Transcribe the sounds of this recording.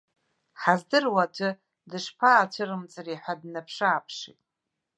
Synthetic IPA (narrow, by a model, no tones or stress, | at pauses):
ħazdɨrwat͡ʃʷʼʊ | dɨʂpʰaːt͡ʃʷʰɨɾɨmt͡sʼɨriħʷadnapʰʂaaːpʰʂḭtʼ